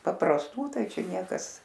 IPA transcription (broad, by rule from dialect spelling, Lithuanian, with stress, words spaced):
pɐprɐsˈtuː ˈtɐɪ ˈt͡ʃʲɛ ˈnʲiɛkɐs